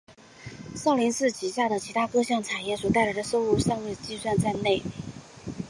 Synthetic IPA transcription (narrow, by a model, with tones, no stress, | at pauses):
sɑ˥˩ʊli˧˥nsɹ̩˥˩t͡ɕi˨˩ɕja˥˩d̪ə˩t͡ɕʰi˧˥t̪ʰa˥kɤ˥ɕjɑ˥˩ŋt͡sʰa˨˩njɛ˥˩swɔ˨˩t̪a˥˩ɪla˧ɪd̪ə˧ʂo˥˧ʊlu˥˧ʂɑ˥˧ŋwe˥˧ɪt͡ɕi˥˧swa˥˧nt͡sa˥˧ɪne˥˩ɪ